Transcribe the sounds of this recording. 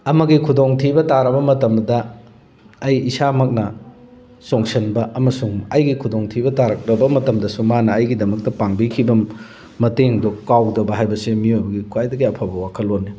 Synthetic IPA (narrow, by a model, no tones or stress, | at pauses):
ɐmɐɡikʰudoŋtʰibɐtaɾɐbɐmɐtɐmdɐː | jisamɐk̚nɐ | soŋsɐnbɐʔɐmɐsuŋɐjɡikʰudoŋtʰibɐtaɾɐk̚ɾɐbɐmɐtɐmdɐsumanɐːjɡidɐmɐk̚tɐpaŋbikʰibɐ | mɐteŋdokawdɐbɐɦajbɐsemiojbɐɡikʰwajdɐɡiɐpʰabɐwakʰɐlːonːi